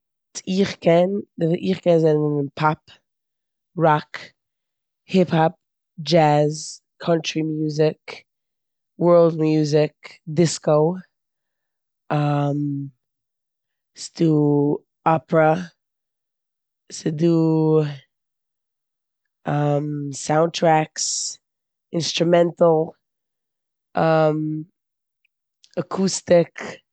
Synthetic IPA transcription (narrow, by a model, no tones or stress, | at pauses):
tiχkʰɛndɪʔiχkɛnzɛnvɪɪnpʰap | ɹɔk | hɪphap̚ | d͡ʒæz | kʰʌnt͡ʃɹimjuːzɪk | wɜ˞lˠdmjuːzɪkdɪskoʊ | am | stu | ʔɑpɹə | sɨdu | ʔʌ̃msãʊ̃ntʰɹ̥æks | ɪ̃nstɹ̥ɨmɛ̃ntl̩ˠ | ʔʌ̃m | əkʰustɪk